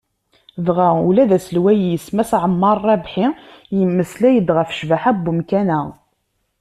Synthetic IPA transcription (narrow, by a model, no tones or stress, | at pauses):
ðʁaṵlæðæsəlwæjəsmæsʕəmːɑɾˤːɑbħijəmːəslæjəd̪ʁəfʃvæħæbːumkænæ